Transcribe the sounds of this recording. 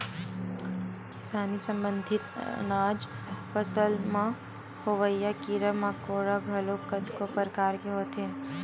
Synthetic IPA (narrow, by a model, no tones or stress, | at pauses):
kɪsaːnisɐ̃mbə̃nd̪ʱɪt̪naːd͡ʒ | pɐsəlmã | hoʋəjːakiːɾəmakoːɾaɡʱɐlokəd̪kopəɾkaːɾkeɦoːt̪ɦɛː